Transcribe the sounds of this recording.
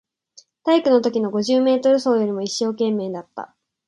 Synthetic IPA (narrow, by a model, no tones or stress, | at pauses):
t̪aikɯ̟no̞t̪o̞kʲino̞ɡo̞ʑɨːme̞ːt̪o̞ɾɯ̟so̞ːjo̞ɾʲimo̞iɕːo̞ːkẽ̞mːe̞ːd̪at̪ːa̰